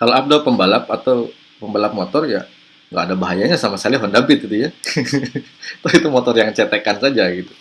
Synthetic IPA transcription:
kaloap̚dowpəmbalap̚at̪aw | pəmbalap̚mot̪ɔrja | ŋɡaːdabaɦajaɲasamasəkaliɦɔndabɪt̪id̪uja | t̪ɔit̪umot̪ɔrjaŋt͡ʃɛt̪ekansad͡ʒaɡit̪u̥

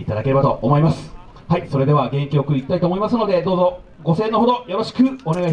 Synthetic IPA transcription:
it̪ad̪ake̞ɾe̞bat̪o̞̰ʔːmo̞imasɨ̥ | haiso̞ɾe̞d̪e̞βaɡẽ̞ŋkʲio̞kɯ̟ɾiːkʲi̥t̪ait̪oːmo̞imasɨno̞d̪e̞d̪o̞ːzo̞ | ɡo̞se̞ːnːo̞ɦo̞d̪o̞jaβaɕi̥kɯ̟o̞ne̞ɡai

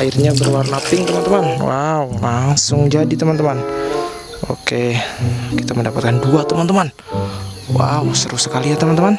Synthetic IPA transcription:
airɲabərwarnapɪŋt̪əmant̪əmanwa̰ulaŋsʊŋd͡ʒadit̪əmant̪əman | ʔo̰ke | kit̪aməndapat̪̚kanduat̪əmant̪əman | wa̰usəɾusəkaliat̪əmant̪əman

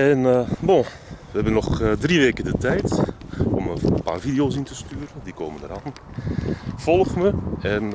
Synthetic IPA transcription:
ɛnbo | ʋəhɛbənːɔxdriʋeːkədətɛjtɔməpa̰ːrfidioːs̬intəstyːɾəndikoːməndəɾaːn | fɔlˠxməɛn

